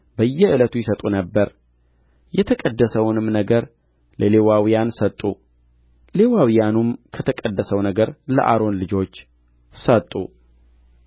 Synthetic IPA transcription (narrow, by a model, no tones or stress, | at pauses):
bəjːɛɨlət̪ʰujɛsət̪ʼunəbːəɾ | jɛt̪ʰəkʼəd̪ːəsəwnɨmnəɡəɾ | lʔəlewawijansət̪ʼːu | le̞wawijanumkʰət̪ʰəkʼəd̪ːəsəwnəɡəɾlə̰ʔa̰ɾo̞nlɨd͡ʒo̞t͡ʃː | sət̪ʼːṵ